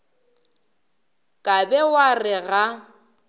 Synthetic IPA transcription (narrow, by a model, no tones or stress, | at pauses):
kʼabɛwarɪɣa